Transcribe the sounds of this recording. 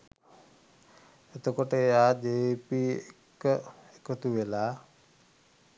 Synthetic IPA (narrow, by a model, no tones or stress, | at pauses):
et̪okoʈəeaːd͡ʒeːpiekəekət̪uʋela